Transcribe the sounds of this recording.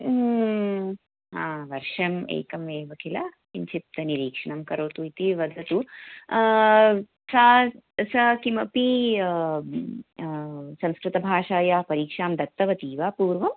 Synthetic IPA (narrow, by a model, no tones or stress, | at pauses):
ɦaːʋɐɾʂɐmḛːkɐmeːʋɐkʰilɐ | piɲt͡ʃʰit̪ːɐniɾiːkʂɐɳɐmkɐɾoːt̪uit̪iʋɐd̪ʱɐt̪u | saːsɐkimɐpi | sɐ̃mskɾɪt̪ɐbʱaːʂaːjaːpɐɾiːkʂaːmd̪ɐt̪ːɐʋɐt̪iːʋaːpuːɾʋɐm